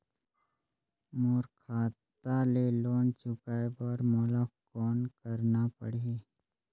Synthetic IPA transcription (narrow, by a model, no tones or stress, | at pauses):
moːɾkʰaːt̪aleloːnt͡ʃʊkaːebɔɾmoːlakɔːnkəɾnapə̰ɽ̤e